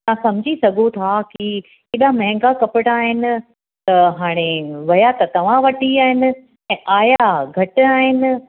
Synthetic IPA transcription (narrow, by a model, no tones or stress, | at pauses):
ãsɐm̤ɪd͡ʑʱisɐɡʱot̪ʰaki | keːɗamɐ̃ɦɪ̃ŋɡakɐpɪɽaːɦɪnɪ̆ | t̪ɐɦaːɽ̃eʋɐjat̪ɐt̪ɐʋ̤ãʋɐʈiaːɦɪnɪ̆ | ɛ̃ːʔaːjaɡʱɐʈɪaːɦɪnɪ̆